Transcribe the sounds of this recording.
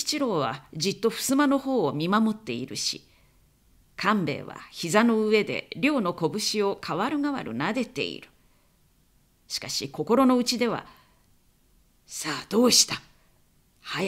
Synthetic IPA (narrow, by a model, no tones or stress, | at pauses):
t͡ɕiɾo̞ːβ̞a̰d͡ʑit̪ːo̞ɸɯ̟̥sɨmano̞ho̞ːmʲimamo̞t̪ːe̞iɾɯ̟ɕḭ | kʰãmbe̞̰ːβa̰çizano̞ɯ̟e̞d̪e̞̰ɾʲo̞ːno̞ko̞bɯ̟ɕio̞kʰaβaɾɯ̟ŋaβa̰ɾɯ̟̰nad̪e̞t̪e̞̰ḭɾɯ̟̥ | ɕi̥kaɕiko̞ko̞ɾo̞no̞ɯ̟t͡ɕid̪e̞βa̰ | saːd̪̥o̞ːɕi̥t̪a | ha